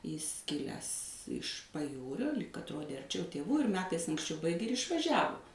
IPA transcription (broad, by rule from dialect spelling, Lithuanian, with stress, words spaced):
jɪs ˈkʲɪlʲæːs ɪʃ pɐˈjuːrʲoː lʲiːk ɐtˈroːdʲeː ɐrʲˈt͡ʃʲɛʊ tʲeːˈʋuː ɪr ˈmʲæːtɐɪs ɐŋksʲˈt͡ʃʲɛʊ ˈbɐɪɡʲeː ɪr ɪʃʋɐˈʒʲæːʋʊ